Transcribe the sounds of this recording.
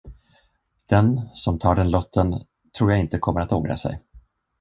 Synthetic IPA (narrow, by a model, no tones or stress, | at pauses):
d̪̥ɛnsɔmt̪ʰɑːɖɛnlɔt̪ʰːən | t̪ʰɾuːjaɪnt̪əkʰɔmːəɾat̪oːɡɾa̰sɛ̰j